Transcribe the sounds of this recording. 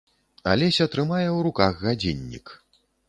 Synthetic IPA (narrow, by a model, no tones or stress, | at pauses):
a̰lʲɛsʲɐt̪ɾɨmajɛwɾukaɣːad͡zʲinʲːḭk